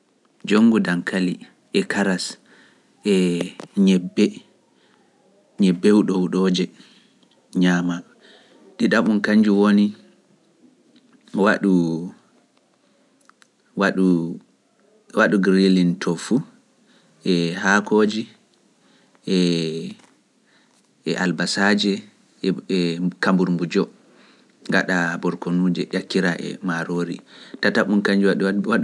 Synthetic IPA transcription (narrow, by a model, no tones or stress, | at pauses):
d͡ʒoŋɡudaŋkʰali | ʔɛkʰaɾas | ʔɛɲɛbːɛ | ɲɛbːɛwuɗɔwuɗɔːd͡ʒɛ | ɲaːma | ɗiɗaɓunkaɲd͡ʒuwoni | waɗu | waɗu | waɗuɡɾilintʰɔfu | ʔɛɦakʰoːd͡ʒi | ʔɛ | ɛʔalbasad͡ʒɛ | kambuɾmbud͡ʒɔ | ŋɡaɗabɔɾkonuːd͡ʒɛʔakːiɾaʔɛ̰maɾoːɾḭtataɓunkaɲd͡ʒuwa